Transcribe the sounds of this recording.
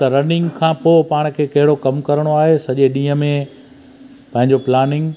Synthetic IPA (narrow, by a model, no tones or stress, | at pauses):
t̪ɐɾɐnɪ̃ŋɡkʰãːpoːpaːɽ̃kʰeːkɐɦɪɽokɐmkɐɾəɽ̃oaːɦesɐʄeɗĩːə̆mẽ | pɐ̃ɦɪ̃ɲd͡ʑoplaːnɪ̃ŋɡ